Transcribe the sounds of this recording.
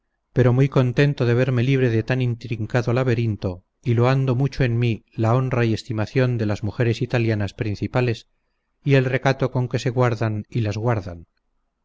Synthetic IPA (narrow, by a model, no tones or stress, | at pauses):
pe̞ɾo̞mujko̞nt̪e̞nt̪o̞ðe̞β̞e̞ɾme̞liβ̞ɾe̞ðe̞t̪anint̪ɾiŋkaðo̞laβe̞ɾint̪o̞ | ilo̞and̪o̞mut͡ʃo̞e̞nmilao̞nraie̞st̪imaθjo̞nd̪e̞lazmuxe̞ɾe̞sit̪aljanaspɾin̟θipale̞s | ie̞lre̞kat̪o̞ko̞ŋke̞se̞ɣwaɾðanilazɣwaɾða̰n